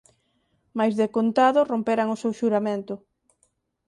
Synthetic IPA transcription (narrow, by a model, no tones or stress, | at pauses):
majzðekont̪aðʊrompeɾaŋʊsewʃuɾamẽnt̪ʊ